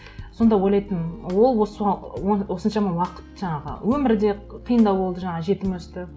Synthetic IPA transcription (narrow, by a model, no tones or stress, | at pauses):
so̞nd̪ɑwo̞jlˠɑjt̪ənwo̞lˠwosɑwo̞sənʃɑmɑwɑqə̥t̪ʒɑɴɑʁə̰wɵmɪɾd̪e̞qʰijənd̪ɑwbo̞lˠd̪əʒɑɴɑʒe̞t̪ɪmwɵzt̪ɪ